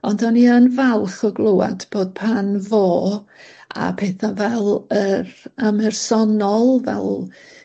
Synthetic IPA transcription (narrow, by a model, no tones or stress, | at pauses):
ɔndɔniənvalˠχɔɡlˠowa̰db̥oːd̥̚pʰanvoː | a̰pʰeːθavɛlˠəɾamɛrsɔnɔlˠvɛ̰lˠ